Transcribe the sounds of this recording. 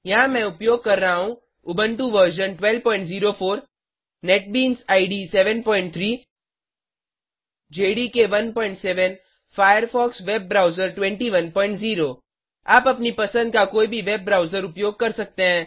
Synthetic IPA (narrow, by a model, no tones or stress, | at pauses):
jɐɦãmɛ̃ʊpjoːɡ̚kɐɾːaɦũ | ʊbə̃ɳʈuʋəɾʃənʈwɛl̚pɔːɪ̃ɳʈziːɾofʰoːɾ | neːʈ̚biːnsaːɪɖiːsɛːʋənpɔːɪ̃ɳʈ̚t̪ʰɾiː | d͡ʒeːɖikeʋɐnpɔːɪ̃ɳʈsɛːʋən | faːjəɾfʰɔːksʋeːb̚ːɾaːʊzəɾʈwɛ̃ːɳʈiʋɐnpɔːɪ̃ɳʈziːɾoː | aːpɐpnipɐsə̃nd̪̚kakoːibʱiʋeːb̚ɾaːʊzəɾʊpjoːɡ̚kɐɾsɐk̚t̪eɦɛ̃ː